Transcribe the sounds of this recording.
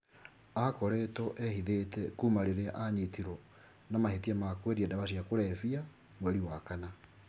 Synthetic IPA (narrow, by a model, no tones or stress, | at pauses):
akɔɾetɔʔɛhiðetɛkumaɾeɾeaʔaɲetiɾɔ | namahetiamakweɾiadaβasiakoɾɛfia | mwɛɾiwakana